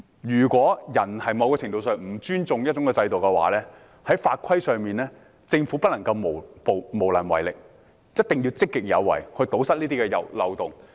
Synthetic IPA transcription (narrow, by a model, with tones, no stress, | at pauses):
jyː˨˩kʷɔː˨˥jɐ˨˩nhɐ˨jmɐ˨˧wkɛː˧t͡sʰɪ˨˩ŋt̪o˧wsœː˨ŋm̩˨˩t͡ʃyː˥nt͡sʊ˨ŋjɐ˥t̚t͡ʃʊ˨˥ŋkɛ˧t͡sɐ˧jt̪o˨˩wkɛ˧wa̰ː˨˥˦lɛː˥ | hɐ˨˥jfaː˧t̚kʷʰɐ˥jsœː˨ŋmiː˨nlɛː˥ | t͡sɪ˧ŋfu˨˥pɐ˥t̚lɐ˨˩ŋkɐ˧wmo˨˩wpo˨˩wmo˨˩wlɐ˨˩nwɐ̰˨˩jlɪ˨k̚ | jɐ˥t̚t̪ɪ˨ŋjiː˧wt͡sɪ˥kːɪ˨k̚jɐ̰˨˧wːɐ̰˨˩jhɵ˧t̪o˨˥wsɐ˥t̚liː˥t̪i˥kɛ˧jɐ̰˨˧wlɐ̰˨˧wt̪ʊ˨˩ŋ